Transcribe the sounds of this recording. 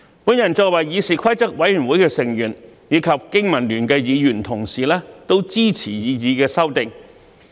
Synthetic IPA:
puː˨˥njɐ˨˩nt͡sɔː˧k̚wɐ˨jjiː˨˧siː˨˩kʰɐ˥jt͡sɐ˥k̚wɐ˨˥jy˨˩nwuː˨˥jkɛː˧sɪ˨˩ŋjyː˨˩njiː˨˧kʰɐ˨p̚kɪ˥ŋmɐ˨˩nlyː˨˩nkɛː˧jiː˨˧jyː˨˩nt̪ʰʊ˨˩ŋsiː˨˩lɛː˥t̪o˥wt͡siː˥t͡sʰiː˨˩jiː˨˧jiː˨˧kɛː˧sɐ˥wt̪ɪ˨ŋ

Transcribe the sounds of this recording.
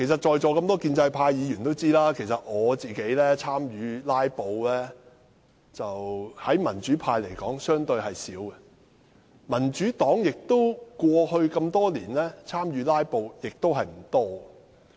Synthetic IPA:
kʰe˨˩js̬ɐ˨˩t̚t͡ʃɔː˨˧jt͡ʃɔː˨kɐ˧mt̪ɔː˥kiː˧nt͡sɐ˧jpʰaː˧jjiː˨˧jyː˨˩nt̪o˥wt͡siː˥laː˥kʰe˨˩js̬ɐ˨t̚ŋɔː˨˧t͡siː˨˩ke˨˥jlɛː˥t͡sʰaː˥mjyː˨˧laː˥jpo˧wlɛː˥ | t͡sɐ˨whɐ˨˥jmɐ˨˩nt͡ʃyː˨˥pʰaː˧jle˨˩jkɔː˨˥ŋsœː˥ŋt̪ɵ˧ɥɦɐ˨jsiː˨˥wɡɛ˧ | mɐ˨˩nt͡ʃyː˨˥t̪ɔː˨˥ŋjɪ˨k̚t̪o˥wkʷɔː˧hɵ˧ɥkɐ˧mt̪ɔː˥liː˨˩nlɛː˥t͡sʰaː˥mɥyː˨˧laː˥jpo˧wjɪ˨k̚t̪o˥wɦɐ˨jm̩˨˩t̪ɔː˥ɔ˨

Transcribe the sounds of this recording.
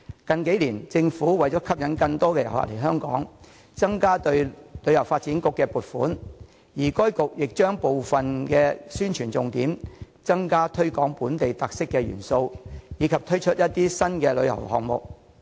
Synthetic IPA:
kɐ˨nke˨˥jliː˨˩nt͡sɪ˧ŋfuː˨˥wɐ˨jt͡sɔː˨˥kʰɐ˥p̚jɐ˨˥nkɐ˧ŋt̪ɔː˥kɛː˧jɐ˨˩wha̰˨˩le˨˩jɦœː˥ŋkɔ̰ː˨˥ŋ | t͡sɐ˥ŋkaː˥t̪ɵ˧ɥlɵ˨˧ɥjɐ˨˩wfaː˧t̚t͡siː˨˥nkʊ˨kːɛː˧puː˨t̚fuː˨˥n | jiː˨˩kɔː˥jkʊ˨k̚jɪ˨k̚t͡ʃœː˥ŋpo˨wfɐ˨nkɛː˧syː˥nt͡ʃʰyː˨˩nt͡sʊ˧ŋt̪iː˨˥m | t͡sɐ˥ŋkaː˥t̪ʰɵ˥ɥkɔː˨˥ŋpuː˨˥nt̪e˨jt̪a˨k̚sɪ˥kːɛː˧ɥy̰ː˨˩nso˧wjiː˨˧kʰɐ˨p̚t̪ʰɵ˥ɥt͡ʃʰɵ˥t̚jɐ˥t̚t̪iː˥sɐ˥nkɛː˧lɵ˨˧ɥjɐ̰˨˩whɔ̰ː˨k̚mʊ̰˨k̚

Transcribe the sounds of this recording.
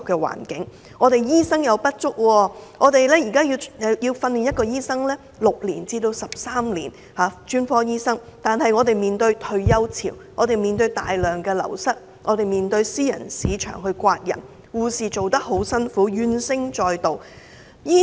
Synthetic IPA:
p̚kɛː˧wa̰ː˨˩nkɪ˨˦˥ŋ | ŋɔː˨˧t̪e˨jjiː˥sɐ˥ŋjɐ˨˧wpɐ˥t̚t͡ʃʊ˥k̚wɔː˧ŋɔː˨˧t̪e˨jlɛː˥jiː˨˩kaː˥ji˧wji˧wfɐ˧nliː˨˩njɐ˥t̚kɔː˧jiː˥sɐ˥ŋlɛː˥ | lʊ˨k̚liː˨˩nt͡siː˧t̪o˧wsɐ˨p̚saː˥mlḭː˨˩n | haː˨˥t͡ʃyː˥nfɔː˥jiː˥sɐ˥ŋt̪aː˨˩nhɐ˨jŋɔː˨˧t̪e˨jmiː˨˩nt̪ɵ˧ɥt̪ʰɵ˧ɥjɐ˥wt͡sʰḭː˨˩wŋɔː˨˧t̪e˨jmiː˨nt̪ɵ˧ɥt̪aː˨jlœː˨ŋkɛː˧lɐ̰˨˩wsɐ˥t̚ | ŋɔː˨˧t̪e˨jmiː˨nt̪ɵ˧ɥsiː˥jɐ̰˨˩nsiː˨˥t͡ʃʰœ̰ː˨˩ŋɦɵ˧ɥkʷaː˧t̚jɐ̰˨˩n | kuː˧siː˨t͡so˨wt̪ɐ˥k̚ho˨˥wsɐ˥nfuː˨˥jyː˧nsɪ˥ŋt͡ʃɔː˧jt̪o˨w | jiː˥

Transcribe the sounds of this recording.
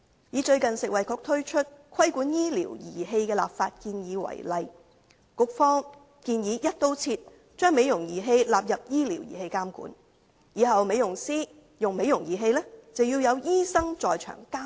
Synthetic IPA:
jiː˨˧˥t͡ʃɵ˧ɥkɐ˨nsɪ˨k̚wɐ˨˩jkʰɔː˧k̚t̪ʰɵ˥ɥt͡ʃʰɵ˥t̚kʰɐ˥jkuː˨˥njiː˥lḭː˨˩wjḭː˨˩ɦe˧jkɛː˧la̰ː˨p̚faː˧t̚kiː˧njiː˨˧wɐ̰˨˩jlɐ˨j | kʊ˧˥k̚fɔː˥ŋ | kiː˧njiː˨˧jɐ˥t̚t̪o˥wt͡sʰiː˧t̚ | t͡ʃœː˥ŋme˨˧jʊ˨˩ŋjiː˨˩ɦe˧jlaː˨p̚jɐ˨p̚jiː˥lḭː˨˩wjḭː˨˩he˧jkaː˥mkṵː˨˥n | jiː˨˧ɦɐ˨wme˨˧jʊ˨˩ŋsiː˥ | jʊ˨˩ŋme˨˧jʊ˨˩ŋjiː˨˩ɦe˧jlɛː˥t͡sɐ˨wjiː˧wjɐ˨˧wjiː˥sɐ˥ŋt͡sɔː˨jt͡ʃʰœ̰ː˨˩ŋkaː˥m

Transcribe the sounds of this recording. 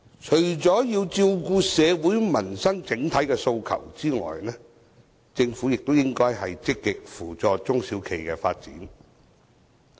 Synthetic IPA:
t͡ʃʰɵ˨˩ɥt͡sɔː˨˥jiː˧wt͡siː˧wkuː˧sɛː˨˧wuː˨˥jmɐ˨˩nsɐ˥ŋt͡sɪ˨˥ŋt̪ʰɐ˨˥jkɛ˧so˧wkʰɐ̰˨˩wt͡siː˥ŋɔ̰ː˨jnɛː˥ | t͡sɪ˧ŋfuː˨˥jɪ˨k̚t̪o˥wjɪ˥ŋkɔː˥jɦɐ˨jt͡sɪ˥kːɪ˨k̚fuː˨˩t͡sɔː˧t͡sʊ˥ŋsiː˨˥wkʰe˨˩jkɛː˧faː˧t̚t͡siː˨˥n

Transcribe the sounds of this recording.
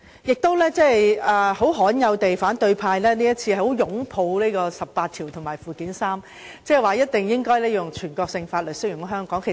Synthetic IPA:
jɪ˨k̚t̪o˥wlɛː˥t͡sɛː˥jɐː˨ho˨˥wɦɔː˨˥njɐ˨˧wt̪e˨jfaː˨˥nt̪ɵ˧ɥpʰaː˧jlɛː˥niː˥jɐ˥t̚t͡sʰiː˧hho˨˥wjʊ˨˥ŋpʰo˧wliː˥kɔː˧sɐ˨p̚paː˧t̚t̪ʰiː˨˩wt̪ʰʊ˨˩ŋmaː˨˩jfuː˨˩kiː˨˥nsaː˥m | t͡sɛː˥˩waː˨jɐ˥t̚t̪ɪ˨ŋjɪ˥ŋkɔː˥jlɛː˥ji˧jʊ˨ŋt͡ʃʰyː˨˩nkɔː˧k̚sɪ˧ŋfaː˧t̚lɵ˨sɵ˥kjʊ˨˩ŋ˥ɦœː˥ŋkɔː˨˥ŋkʰe˨˩

